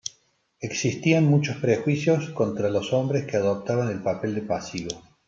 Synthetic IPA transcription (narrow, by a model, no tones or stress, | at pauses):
eksist̪ianmut͡ʃospɾexwisjo̞sko̞nt̪ɾalo̞so̞mbɾeskeað̞op̚t̪aβanelpapeld̪epasiβo